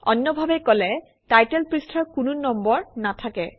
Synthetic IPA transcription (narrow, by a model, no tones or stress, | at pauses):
ɔnːɔbʱabɛkɔlɛ | tajtɛlpɹistʰɔɹkununɔmbɔɹnatʰakɛ